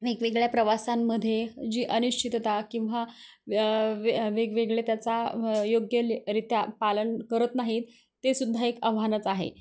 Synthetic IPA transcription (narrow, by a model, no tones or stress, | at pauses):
ʋekʋeɡɭjapɾəʋasamːəd̪ʱːjed͡ʑiːʔəniʂt͡ɕʰit̪t̪akĩw̃ʋa | ʋeɡʋeɡɭet̪jat͡sajoɡjəlɾit̪japalənkəɾət̪naɦit̪ | t̪ːesud̪ʱːaekəʋ̤ʱanət͡saɦḛ